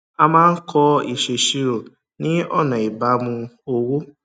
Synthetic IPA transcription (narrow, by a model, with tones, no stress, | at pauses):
a˧mãː˦n̩˦kʰɔ˧i˨ʃe˨ʃi˧ɾo˨ | nĩ˦ɔ̰˦˨nã˨i˨ba˨˦mũ˧o˧wo˦